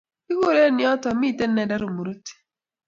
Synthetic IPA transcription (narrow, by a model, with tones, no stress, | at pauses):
i˦ko˦˨ɾe˦˨nɪ˦ɔ˦tɔ˨mi˦˨tɛ˦nɛ˨da˦ɾo˨mu˨ɾu˦ti̥˨